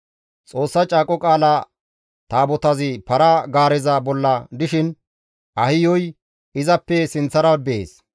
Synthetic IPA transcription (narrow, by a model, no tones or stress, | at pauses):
t͡sʼo̞ːsːɐt͡ʃʼaːkʼɔkʼaːla | t̪aːbɔt̪ɐzɪpɐɾɐɡaːɾɛzɐbɔlːɐd̪ɪʃɪn | ʔɐhɪjɔj | ɪzɐpːɛsɪnt͡sːɐɾɐbḛːs